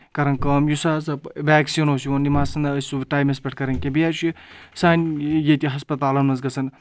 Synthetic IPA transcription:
kɐɾɐnkɐːmjusaːzɐpʋʲaːksiːnoːsionimaːsɐnɐːsʲuʋʈaːjmespʲɐʈ̚ʰkɐɾɐnʲkebijaːt͡ʃʰisaːnʲjet̪iɦɐspɐt̪aːlɐnɐzɡɐsɐn

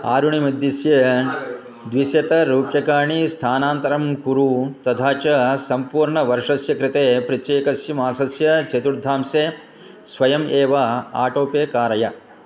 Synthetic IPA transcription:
aːɾuɳimid̪ːisjɐ | d̪ʋisjɐt̪ɐɾuːpjɐkaːɳist̪ʰaːnaːnt̪ɐɾɐmkuɾut̪ɐt̪ʰaːt͡ʃɐsɐmpuːɾɳɐʋɐɾʂɐsjɐkɾɪt̪eːpɾɐt͡ʃeːkɐsjɐmaːsɐsjɐt͡ʃɐt̪uɾd̪ʱaːmseː | sʋɐjɐmeːʋɐa̰ːʈoːpeːkaːɾɐjɐ

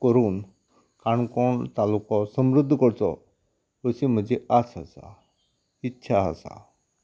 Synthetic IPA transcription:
kəɾuːn | kaɳkɔɳt̪alukɔsəmɾud̪ʱːkəɽt͡sɔ̰ | əsim̤əd͡ʑeat͡səsa̰ | itːɕʰaə̰sa̰

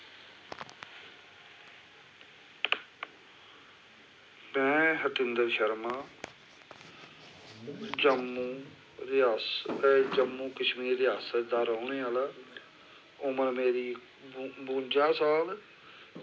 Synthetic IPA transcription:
mɛ̃ːɦət̪ɪnd̪əɾʃəɾmaː | d͡ʒəmːũː | ɾɪjaːsd͡ʒəmːũːkəʃmiːeɾɪɦaːsəd̪aːɾəʊnẽːalaː | ʊməɾmeːɾiː | bũːnd͡ʒaːsaːl

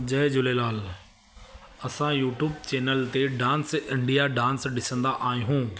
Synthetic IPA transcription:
d͡ʑɐɦɪd͡ʑʊlelaːl | ɐsãjuːʈjuːbt͡ɕeːnəlt̪eɖãːnsɪ̃ɳɖijaɖãːnsɗɪsə̃nd̪aʔaːĩɦũː

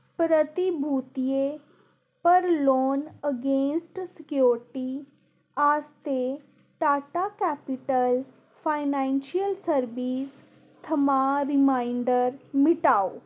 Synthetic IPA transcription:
pɾət̪ibʱuːt̪ije | pəɾloːnəɡẽːnsʈsɪkjoːɾʈi | aːst̪e | ʈaːʈaːkɛːpɪʈəl | pʰaːɪnãːnʃiəlsəɾbiːs | t̪ʰəmaːɾɪmaːɪɳɖəɾmɪʈaːoː

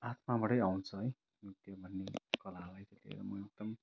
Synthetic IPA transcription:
at̪ʰmabʌʈʌjawnt͡sʰʌɦʌj | mit̪jʌbʱʌnːekʌlalajt̪ʌt̪ḭɾʌmʌek̚d̪ʌm

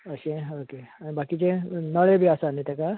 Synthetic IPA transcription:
əɕẽokeanibakit͡ʃenəɭebʱiasanit̪eka

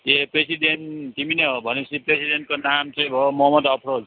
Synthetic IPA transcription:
t̪epɾesident̪imineɦobʱʌnesipɾesidenʈ̚konamt͡sʌ̃j̃bʱomɔɦʌmʌd̪ʌpʰɾod͡z

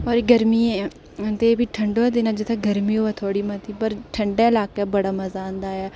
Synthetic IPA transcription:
ɔːɾɡəɾmiːɛ | t̪eːbiːʈʰəɳɖoːd̪ɪnaːd͡ʒɪt̪ʰeɡəɾmiːoat̪ʰoːɽiːmət̪iːpəɾʈʰəɳɖeːɪlaːkeːbəɽaːməzaːnd̪aːjaː

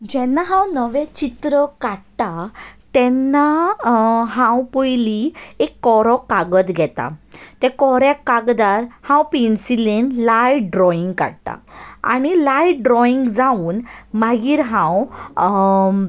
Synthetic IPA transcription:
d͡ʑɛnːaɦãwnəʋɛ̃t͡ɕit̪ɾəkaɽt̪at̪ɛnːa | ɦãwpəjliekːɔɾɔkaɡət̪ɡʱɛt̪a̰t̪ɛkɔɾjakaɡd̪aɾhãwpinsilenlajɖɾɔiŋɡka̰ɽt̪a̰a̰ɽ̃ilajɖɾɔiŋɡd͡zauːnmaɡiːɾɦãw

